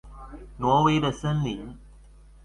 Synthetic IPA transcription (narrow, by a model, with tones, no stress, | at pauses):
nwɔ˧˥we˧˥ɪdə˨ʂə˥nli˨˦